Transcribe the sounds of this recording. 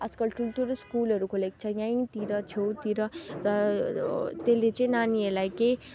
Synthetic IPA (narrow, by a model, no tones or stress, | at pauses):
askʌlʈulʈuɾskulʌɾukʰolek̚t͡ʃʰʌjãĩt̪iɾʌt͡ʃʰowt̪iɾʌɾʌ | t̪elet͡sẽnanielajke